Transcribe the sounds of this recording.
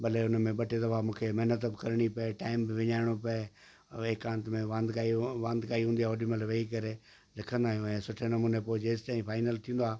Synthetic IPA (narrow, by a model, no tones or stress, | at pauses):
bɐleʊnmẽɓɐʈʰed̪ɐʋamũːkʰemɛɦnət̪bɪkɐɾɽ̃ipɐeʈaːɪmbɪʋɪɲaːɪɽ̃opɐe | ɪkãːnt̪mẽʋãnd̪ʱkaːiʋãnd̪kaːiɦũːn̆d̪iaːʊɖiməlʋeikɐɾe | lɪkʰə̃nd̪aːɦijũɛ̃ːsʊʈʰenɐmuːnepoːɪd͡ʑɪst̪ãːĩpʰaːɪnəlt̪ʰĩːn̆d̪oaː